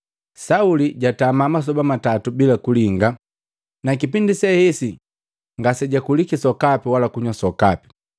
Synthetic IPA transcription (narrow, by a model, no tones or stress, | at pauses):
sauliɟatamamas̬ɔbamatatubilakuliŋɡa | nakipindisɛhɛsi | ŋɡasɛɟakulikisɔkapiwalakuɲwasɔkapi̥